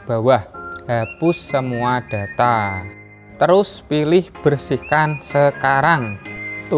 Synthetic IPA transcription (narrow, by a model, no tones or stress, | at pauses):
b̥a̤wahɦab̥ʊsːəmuad̥a̤t̪a | t̪əɾʊspilɪhb̥ərsihkansəkaɾaŋt̪